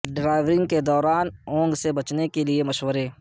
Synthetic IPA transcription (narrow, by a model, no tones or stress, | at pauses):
ɖɾaːɪʋɾɪ̃ŋɡked̪ɔːɾaːnɔ̃ːŋɡsebɐt͡ʃnekeliemɐʃwəɾeː